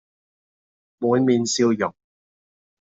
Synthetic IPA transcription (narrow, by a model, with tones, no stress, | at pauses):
muː˨˥nmiː˨˧nsiː˧wjʊ˨˩ŋ̚